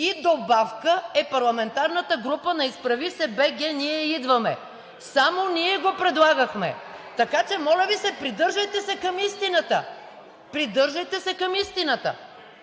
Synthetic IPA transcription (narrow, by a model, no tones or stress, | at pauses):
id̪obafkəɛpɐɾlˠɐmɛnt̪aɾnət̪əɡɾupənɐispɾɐvisɛbɛɡʲɛniɛid̪vɐmɛ̰ | samoniɛɡopɾɛd̪lˠaɡəxmɛ̰t̪ɐkat͡ʃɛmɔlʲɐvisɛpɾid̪ɤɾʒəjt̪ɛsɛkɐmist̪inət̪ə | pɾid̪ɤɾʒɐjt̪ɛsɛkɐmist̪inət̪ə̰